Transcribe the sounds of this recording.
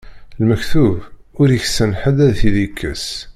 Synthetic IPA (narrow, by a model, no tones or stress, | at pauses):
lməçθuvʊɾəçsənħəd̪æðθiðikʰːə̰s